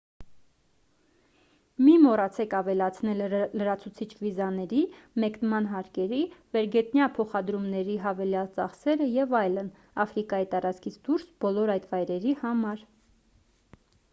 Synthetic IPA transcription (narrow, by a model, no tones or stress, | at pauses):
mimɔɾɑt͡sʰɛkɑvɛlɑt͡sʰnɛlːəɾɑt͡sʰut͡sʰit͡ʃʰvizɑnɛɾimɛknmɑnɦɑɾkɛɾivɛɾɡɛt̪njɑpʰɔχɑd̪ɾumnɛɾiɦɑvɛljɑlt͡sɑχsɛɾəjɛvɑjlən | ɑfɾikɑjit̪ɑɾɑt͡skʰit͡sʰd̪uɾsb̥ɔlɔɾɑjt̪vɑjɾɛɾihɑmɑɾ